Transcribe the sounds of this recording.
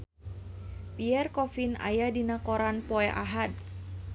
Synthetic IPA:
piɛrkɔfina̰jadinakɔɾanpɔɛʔaɦad̚

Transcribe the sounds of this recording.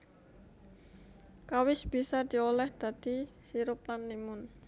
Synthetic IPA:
kawɪsb̥i̤sad̪̥i̤olɛhd̪̥a̤d̪̥isiɾʊp̚lanːimʊn

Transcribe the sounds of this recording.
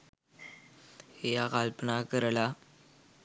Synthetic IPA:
hejaɣalpnakəɾla

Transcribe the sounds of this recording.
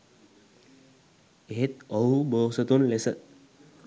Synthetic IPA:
eɦet̪̚ɔɦuboːsət̪unlesət̪̚

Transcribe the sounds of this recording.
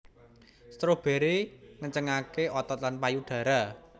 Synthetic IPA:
st̪ɾob̥e̤ɾeŋəɲt͡ʃəŋakeʔɔt̪ɔt̪̚lanpajuɖ̪̥ä̤ɾa

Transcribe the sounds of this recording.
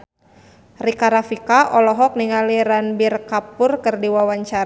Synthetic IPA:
rikaɾafikaʔɔlɔɦɔk̚niŋaliɾanbirkapʊrkərdiwawaɲt͡ʃaɾ

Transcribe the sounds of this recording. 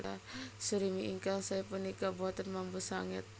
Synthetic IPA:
a̰səɾimiʔiŋkaŋsajapənːikabuat̪anmambusaŋɪt̪̚

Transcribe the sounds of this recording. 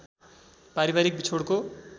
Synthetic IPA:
paɾibaɾik̚bit͡sʰoɽko

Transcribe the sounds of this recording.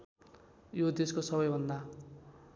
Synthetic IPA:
jod̪eskosʌbʌjbʱʌnd̪a

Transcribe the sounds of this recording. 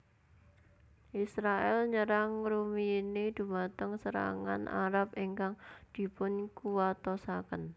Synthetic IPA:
ʔisɾaɛlɲəɾaŋɾuminid̪̥ṳmat̪əŋsəɾa̰ŋa̰nʔa̰ɾapiŋkaŋd̪̥i̤pʊnkuwat̪ɔsakən

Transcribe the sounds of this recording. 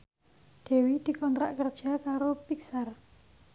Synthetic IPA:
d̪̥e̤wid̪̥i̤kɔnt̪ɾa̰ʔkərd̥ʒ̥a̤kaɾopiksar

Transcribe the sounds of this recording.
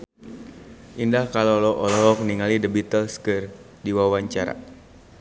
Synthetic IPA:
ʔindahkalolɔʔɔlɔɔkniŋalidəbit̪əlskər | diwawaɲt͡ʃaɾa̰

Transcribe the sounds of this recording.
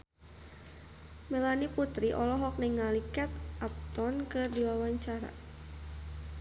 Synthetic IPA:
mɛlaniput̪ɾiʔɔlɔɦɔk̚niŋalikɛt̪ʔap̚t̪ɔnkɨrdiwawaɲt͡ʃaɾa̰

